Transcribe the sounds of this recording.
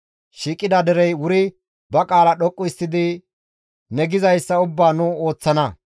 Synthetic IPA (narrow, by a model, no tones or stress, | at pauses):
ʃiːkʼːɪd̪ɐd̪ɛɾɛjwʊɾɪ | bɐkʼaːlɐɗɔkʼːʊɪst̪ːɪd̪ɪ | nɛɡɪzɐjsːɐʊbːaːnʊo̞ːt͡sːɐnɐ